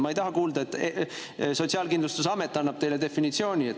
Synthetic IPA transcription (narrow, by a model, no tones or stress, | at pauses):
mɑe̞jt̪ɑɦɑkuːld̪ɑet̪ːe | so̞t̪ʲsiɑːlkind̪lust̪usɑme̞t̪ːˑɑnːɑb̥̚t̪e̞jle̞d̪e̞finit̪sio̞ːnʲie